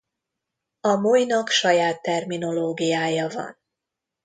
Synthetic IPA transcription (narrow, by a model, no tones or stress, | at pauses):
ɒmujnɒkʃɒjaːt̪ːɛrmino̞loːɡijaːjɒvɒ̰n